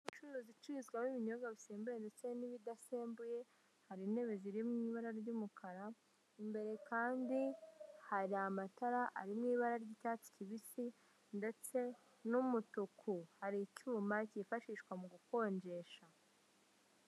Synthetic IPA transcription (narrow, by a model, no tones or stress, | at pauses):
it͡ʃuɾozit͡ʃiizɡwamiβiɲo̞ɡaβise̞ːmbuje̞ndet͡se̞niβidase̞ːmbuje̞ | haɾine̞βeziɾimŋiːβaɾaɾɟumukʰaɾa | imbe̞ɾe̞kaːndihaɾiamataɾaʔa̰ɾimŋiːβaɾaɾɟitat͡si̥ciβisi | nde̞t͡se̞ | numutukʰuhaɾicuːmacifaʃiːʃkwamuɡuko̞ːɲɟe̞ʃa